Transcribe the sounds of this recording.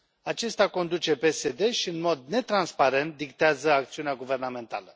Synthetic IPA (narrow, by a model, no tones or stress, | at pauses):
at͡ʃe̞st̪ako̞nd̪ut͡ʃe̞pe̞se̞d̪e̞ʃiɨnmo̞d̪ne̞t̪ɾanspaɾe̞nt̪̚d̪ikt̪eazəakt̪siuneaɡuve̞rname̞nt̪a̰lə